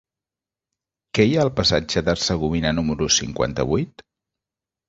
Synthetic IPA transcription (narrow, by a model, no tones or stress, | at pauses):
kɛjaəlˠpəsad͡ʒəðərsəɣ̞uβinənuməɾusḭŋkwa̰nt̪ə̰βujt̪